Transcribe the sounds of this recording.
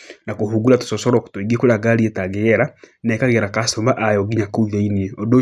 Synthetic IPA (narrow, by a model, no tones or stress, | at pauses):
nakohuɡulato̥sɔsɔɾɔko̥tweɡiekoɾaɡaɾietaɣeɛɾanɛkaɣeɾakasɔmaʔajɔɡiɲakoiðainiɛɔdo